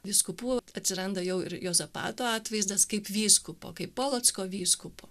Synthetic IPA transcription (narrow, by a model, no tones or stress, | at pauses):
ʋʲɪskʊpuːɐt̪ʲsʲɪɾɐnd̪ɐjɛʊɪɾjoːzɐpɑ̰ːt̪oːɑːt̪ʋɐɪzd̪ɐskɐɪpʋʲiːskʊpo̰ːkɐɪppoːlˠoːt̪skoːʋʲiːskʊpoː